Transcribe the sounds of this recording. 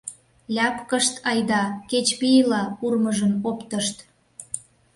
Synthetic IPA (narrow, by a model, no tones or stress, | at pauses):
lʲɑpkəʃt̪ɑjd̪ɑket͡ɕpijlɑpurməʒənopt̪əʃt̪